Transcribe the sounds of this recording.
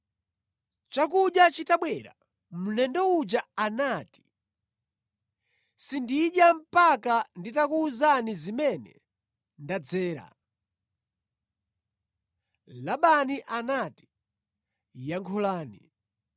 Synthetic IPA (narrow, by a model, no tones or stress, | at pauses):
t͡ʃak̬uɗjat͡ʃitaɓwɛɾa̰ | munɛndɔud͡ʒaanaːti̥ | sindiɗjam̩pakanditakuːzanizimɛnɛ̰ | ndad͡zɛːɾa̰ | laɓaniʔanati̥ | jaŋkʰɔlaːni